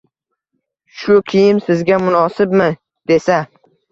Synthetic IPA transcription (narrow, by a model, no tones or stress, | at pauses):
ʃʊkʲʰijɪmsɪzɡʲamʊnɒsɪp̚mɪ | d̪̥e̞sa